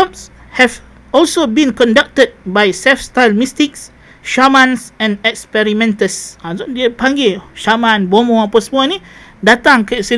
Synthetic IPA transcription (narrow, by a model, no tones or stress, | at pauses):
ɔps | hɛv | ɔlsobĩnkɔ̃ndak̚təd̚bajsɛlfstajlmistik̚s | ʃamãnsɛ̃nɛkspɛɾimɛ̃ntəsaodiəpãŋɡeʃamãnbomõapasəmunidat̪ãŋkəsi